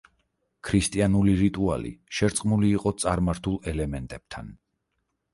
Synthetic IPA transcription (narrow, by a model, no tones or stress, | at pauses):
kʰɾist̪ʼianuliɾit̪ʼua̰lḭʃɛɾt̪sʼqʼmuliːqʼɔt̪sʼaɾmaɾt̪ʰulˠɛlɛmɛnt̪ʼɛb̥̚t̪ʰan